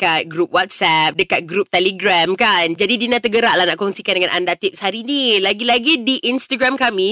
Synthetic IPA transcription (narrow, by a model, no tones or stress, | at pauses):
kat̪̚ɡɾupwat̪̚sɛp̚dəkat̪̚ɡɾup̚t̪ɛliɡɾamkand͡ʒadidinãt̪əɡəɾaʔlahnaʔkɔŋsikandəŋãnʔandat̪ip̚shaɾinilaɡilaɡidiʔinst̪aɡɾamkamĩ